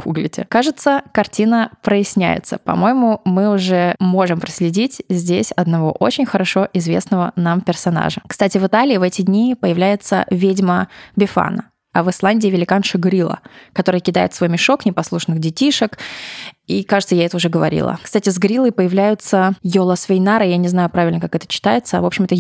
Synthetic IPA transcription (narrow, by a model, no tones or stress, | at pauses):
ɡuɡlʲɪ̰tʲɪ̰kaʐɨt̪səkɐrtʲinəpɾəɪsʲnʲæ̰jɪ̰t̪səpɐ̰mo̞jɪmʊmɨʊʐɛmo̞ʐɨmpɾəsʲlʲɪdʲitʲzʲdʲesʲɐd̪nɐvo̞ʔo̞t͡ɕɪnʲxəɾɐʂo̞ʔɪzvʲe̞̰snəvənampʲɪrsɐna̰ʐəkst̪atʲɪvɨt̪alʲɪːvɛtʲɪdʲnʲipəjɪvlʲæjɪt̪sə̰vʲedʲməbʲɪfa̰nə̰ | ɐvɨslˠanʲdʲɪːvʲɪlʲɪkanʂɨɡɾʲilˠə̰kɐt̪o̞ɾəjəkʲɪd̪a̰ɪt̪svo̞jmʲɪʂo̞knʲɪpɐslˠuʂnɨxdʲɪtʲiʂək | ikaʐɨt̪səjaɛt̪əʊʐɛɡəvɐ̰ɾʲḭlˠə̰kst̪atʲɪzɡɾʲilˠəjpəjɪvlʲæjʊt̪səjolˠəsvʲɪjnaɾɨjanʲɪznajʊpɾavʲɪlʲnəkakɛt̪ə̥t͡ɕːɪ̥t̪ajɪt̪səɐ̰vo̞pɕɪmɛt̪ə